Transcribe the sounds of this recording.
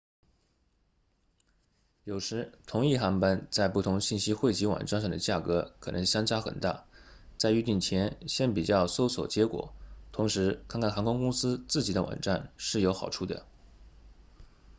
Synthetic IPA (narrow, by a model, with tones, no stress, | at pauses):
jo˨˩ʊʈ͡ʂʰɻ̩˧˥t̪ʰʊ˧˥ŋi˥˩xa˧˥npa˥nt͡sa˥˧ɪpu˥˩t̪ʰʊ˧˥ŋɕi˥˩nɕi˥xwe˥˩ɪt͡ɕi˧˥wɑ̰˨˩nʈ͡ʂa˥˧nʂ̬ɑ˥˩ŋd̪ə˩t͡ɕja˥˩kɤ˧˥kʰɤ˨˩nɤ̰˧˥ŋɕjɑ˥ŋt͡ɕa˥xə̰˨˩nt̪a̰˥˩t͡sa˥˧ɪy˥˧t̪i˥˩ŋt͡ɕʰjɛ˧˥nɕjɛ˥˩npi˨˩t͡ɕjɑ˥˩ʊso˥ʊswɔ̰˨˩t͡ɕjɛ˧˥kwɔ̰˨˩˦t̪ʰʊ˧˥ŋʂɻ̩˧˥kʰnkʰa˥˩xa˧˥ŋkwɑ˥ŋkʊ˥ŋsɹ̩˥t͡sɹ̩˥˩t͡ɕi˨˩d̪ə˦˧wɑ̰˨˩ŋʈ͡ʂa̰˥˧nʂɻ̩˥˩jo˧˥ʊxɑ˨˩ʊʈ͡ʂʰu˥˩d̪ə̰˩